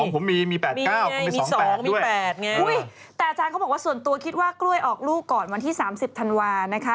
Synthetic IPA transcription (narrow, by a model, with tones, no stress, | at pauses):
ɔ˨˦pʰo˩˦mːiː˧miː˧pɛː˨˩i˧kaː˥˩wa˧˦˧iːɔː˧˦sɔpɛː˨˩˦ŋmiː˦˧˥jɛː˨˩t̪̚ŋa˧u˦˥˩j | t̪ɛː˨˩ʔa˧t͡ɕaː˧nkʰa˦˥wbɔː˨˩kwaː˥su˨˩ənt̪u˧ɐkʰi˦t̪̚waː˥˩klu˥˩əjʔɔː˨˩k̚luː˥˩kkːɔː˨˩nwa˧nt̪ʰiː˥˩saː˩˦msi˨˩p̚t̪ʰa˧nwaː˧na˦˥kʰa˦˥